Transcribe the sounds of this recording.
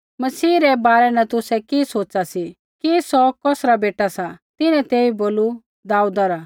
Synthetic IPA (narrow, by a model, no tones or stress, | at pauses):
mɐsiːɾɛbaːɾɛnɛt̪ʊsɛkisoːt͡ʃasi | kisɔkɔːsɾabeːʈasat̪ɪnɛ̃t̪eːiboːlu | d̪aːud̪aɾa